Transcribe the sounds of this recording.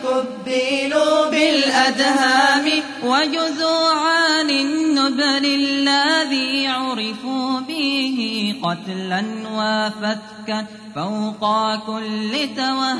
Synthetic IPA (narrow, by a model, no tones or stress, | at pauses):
kʊbːɪluːbɪlʔad̪haːmɪ | wad͡ʒʊzuːʕanɪnːʊbɾɪlːaðiːʕʊɾɪfuːbɪɦɪqɑt̪lanwaːfat̪ka | fawqɑkʊlːɪt̪awah